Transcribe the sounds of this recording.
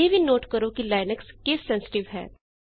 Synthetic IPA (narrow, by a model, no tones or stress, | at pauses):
ebʱinoːʈkəɾokilaːɪnəkskeːsːɛ̃nsɪ̥ʈɪʋɦɛ̰ː